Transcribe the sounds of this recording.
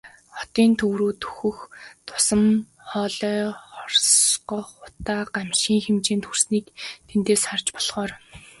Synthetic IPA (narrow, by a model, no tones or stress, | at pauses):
χɔt̪iːnt̪ʰɵwɾuːt̪ʰu̥xɵ̆xt̪ʰʊ̥sə̆m | χɔːɮœːχɔrsɢɔχʊt̪aːɢamʃiːŋxemt͡ɕeːnt̪ʰursniːkt̪ʰent̪eːsχart͡ɕpɔɮ̥χɔːr